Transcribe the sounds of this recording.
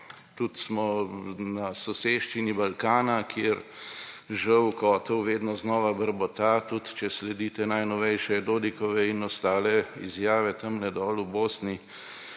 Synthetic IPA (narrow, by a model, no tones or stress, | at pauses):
t̪ut̪smɔnasɔseːʃt͡ʃinibalkaːnakʰjeɾ | ʒəwkɔːt̪ɔwʋeːd̪nɔznɔːʋabəɾbɔt̪at̪ut̪t͡ʃɛslɛd̪iːt̪ɛnajnɔʋɛjʃɛd̪oːd̪ikɔʋɛinɔst̪aːlɛizjaːʋɛt̪ɐmnɛd̪ɔːluboːsni